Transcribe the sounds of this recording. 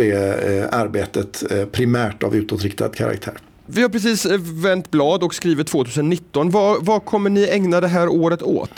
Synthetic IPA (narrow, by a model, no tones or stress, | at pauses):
ɛaɾbeːt̪ət̪pʰɾɪmæːʈa̰vʉ̟ːt̪ot̪ɾɪkt̪ʰa̰d̪kʰa̰ɾa̰k̚t̪ʰæ̰ːɾ | vɪhaɾpʰɾɛs̬iːsvɛnt̪blɑːd̪ɔkskɾiːvɪt̪ʰːv̥oːt̪ʉ̟ːsənːɪt̪ːɔnvavakʰɔmːəɳɪɛŋnad̪ɛɦæːɾoːɾət̪o̰ːt̪